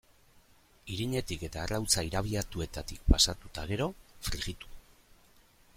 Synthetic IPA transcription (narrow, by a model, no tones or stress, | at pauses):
iɾiɲe̞t̪ike̞t̪aːrawt͡saiɾaβ̞iat̪ue̞t̪at̪ik̚pasat̪ut̪aɣ̞e̞ɾo̞fɾiɣit̪u̥